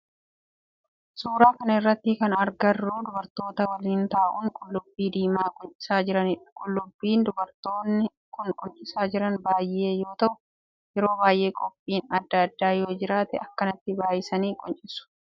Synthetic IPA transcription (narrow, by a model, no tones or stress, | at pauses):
suːɾaːkɐnɐɪrːɐt̪ːɪkɐnɐɾɡɐrːuːd̪ʊbɐɾt̪o̞ːt̪ɐwɐliːnt̪aːʔuːŋkʼʊlːʊbːiːd̪iːmaːkʼɔnt͡ʃʼɪ̥saːd͡ʒɪɾɐnɪkʼʊlːʊbːiːnd̪ʊbɐɾt̪o̞ːnːɪ | kʊnkʼʊnt͡ʃʼɪsaːd͡ʒɪɾɐnbaːje̞ːjo̞ːt̪ɐʔʊ | jɛɾo̞ːbaːjʔe̞ːkʼɔpʼːiːnɐd̪ːɐɐd̪ːaːjo̞ːd͡ʒɪɾaːt̪ɛɐkːɐnɐt̪ːɪbaːjɪsɐniːkʼɔnt͡ʃʼɪsʊ̥